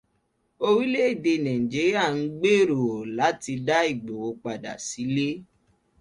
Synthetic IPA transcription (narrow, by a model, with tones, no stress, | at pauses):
o˧ɾi˦le˦i˦˨de˧˨nã˨ĩ˨d͡ʒi˨˦ɾi˦a˦˨n̩˦ɡ͡be˦˨ɾo˨o˨la˨˦ti˧da˦i˦˨ɡ͡bo˨wo˧k͡pa˨da̰˨si˨˦le˦